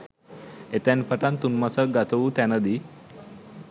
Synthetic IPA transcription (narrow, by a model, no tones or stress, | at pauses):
et̪ɛnpʰəʈant̪unmat͡səɡat̪ʰəʋuːt̪ɛnəd̪i